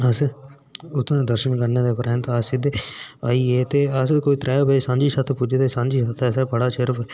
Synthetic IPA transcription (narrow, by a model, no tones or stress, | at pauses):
əs | ʊt̪ʰːd̪əɾʃənkəɾneːd̪eːpəɾɛ̃ːnt̪ːəsɪd̪eaːiːeːt̪eːəskoːiːt̪ɾɛːjoːbeesãːɲd͡ʒiːsət̪ʰpud͡ʒed̪eːsãːd͡ʒiːsət̪ʰɛsɛːpəɽaːʃɪɾpʰɛ